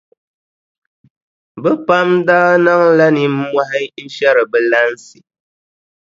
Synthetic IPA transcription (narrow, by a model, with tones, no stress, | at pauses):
bə˦pa˦m˦daː˦na˦ŋ̩˦la˦ni˨m̩˦mwa˦ɦɛ˦n̩˦ʃja˦ɾə˨bə˦la˦n̩˦si˨